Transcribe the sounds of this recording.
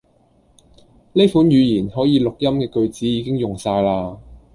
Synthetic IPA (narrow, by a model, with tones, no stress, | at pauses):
ne˥jfuː˨˥njyː˨˧jiː˨˩nhɔː˨˥jiː˨˧lʊ˨k̚jɐ˥mkɛː˧kɵ˧ɥt͡siː˨˥jiː˨˧kɪ˥ŋjʊ˨˩ŋsaː˧jlaː˧